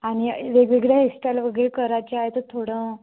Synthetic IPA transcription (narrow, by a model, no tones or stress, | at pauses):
aɽ̃iʋeɡʋeɡɭjaisʈalʋəɡiɾkəɾat͡ɕeaɦet̪ət̪ʰoɽə̃